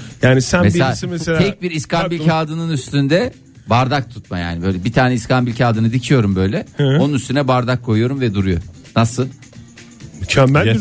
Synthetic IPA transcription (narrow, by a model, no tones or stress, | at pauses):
jaːnisænmebisimeseltʰɛc̚biɾiskambilʲkʰaːd̪ɯnɯnyst̪ʰynd̪ɛ | baɾd̪ak̚t̪ʰu̥t̪̚maja̰ːnibø̞jlʲɛbit̪ʰaːnɛiskʰanbilʲcʰaːd̪ɯnɯd̪icʰijo̞ɾumbø̞jlʲɛonunyst̪ʰynɛbaɾd̪akʰːo̞jujo̞ɾumvɛd̪uɾujo̰ | nasɯ | t͡ʃʰamm